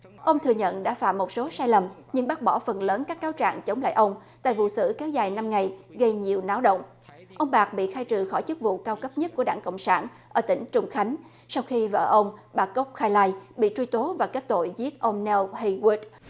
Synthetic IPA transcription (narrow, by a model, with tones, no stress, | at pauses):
ʔə˧wŋ͡mt̪ʰɨ˨˩əɲə̰˧˨nɗa̰ː˧˥fa̰ː˧˨mːo˨˩t̚so˨˦saː˧jlə˨˩m | ɲɨ˧ŋɓa˦˥k̚ɓɔ˧˩fə˨˩nləː˨˦nkaː˦˥kːaː˨˦wt͡ɕa̰ː˧˨ŋt͡ɕə˨˦wŋ͡mla̰ː˧˨jʔə˧wŋ͡m | t̪a̰ː˧˨jvṵ˧˨sɨ̰˧˩kɛ˨˦wzaː˨˩jna˧mŋa˨˩jɣə˧jɲi˨˩əwnaː˨˦wɗə̰˧˨wŋ͡m | ʔə˧wŋ͡mɓaː˨˩k̚ɓḭ˧˨xaː˧jt͡ɕɨ˨˩xɔ˧˩jt͡ɕɨ˦˥k̚vṵ˧˨kaː˧wkə˦˥p̚ɲə˦˥t̚ku˧˩əɗaː˧˩ŋko̰˧˨ŋ͡msaː˧˩n | ʔəː˧˩t̪ï˧˩ŋ̟t͡ɕʊ˧˩ŋ͡mxa˨˦jŋ̟ | sa˧wxi˧və̰ː˧˨˩ʔə˧wŋ͡mɓaː˨˩kə˦˥k͡p̚xaː˧jlaː˧jɓḭ˧˨t͡ɕwi˧t̪o˨˦vaː˨˩ke˦˥t̚t̪o̰˧˨jzi˦˥ət̚ʔə˧wŋ͡mnɛ˧lhi˧wi˦˥t̚